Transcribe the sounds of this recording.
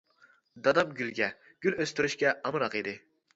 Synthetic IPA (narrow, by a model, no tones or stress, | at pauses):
d̪ɑd̪ɑp̚ɡʲylɡʲɛ | ɡ̥ʲyløst̪ɪɾyʃkʲɛɑmɨɾɑqed̪ɪ